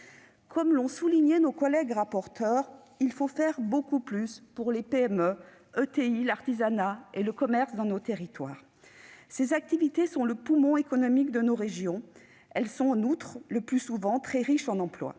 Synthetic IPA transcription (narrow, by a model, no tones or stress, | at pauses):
kʰɔmlɔ̃suliɲenokɔlɛɡʁapɔʁt̪œʁ | ilfofɛʁbokuplyspuʁlepeɛmø | øt̪eilaʁt̪izanaeləkɔmɛʁsd̪ɑ̃not̪eʁit̪wa̰ːʁ | sezak̚t̪ivit̪esɔ̃ləpumɔ̃ekɔnɔmikd̪ənoʁeʒjɔ̃ | ɛlsɔ̃ɑ̃nut̪χləplysuvɑ̃t̪χɛʁiʃɑ̃nɑ̃plwa̰